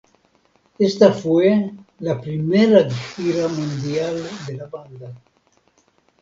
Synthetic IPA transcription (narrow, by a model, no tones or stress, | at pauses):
est̪afwelapɾimeɾadixiɾamund̪jald̪elaband̪a